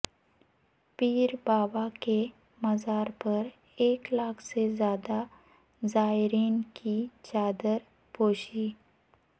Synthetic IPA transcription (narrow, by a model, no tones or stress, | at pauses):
piːɾbaːbake | mɐzaːɾpɐɾ | eːklaːkʰsezjaːd̪a | zaːɾiːnkit͡ʃaːd̪əɾ | poːʃiː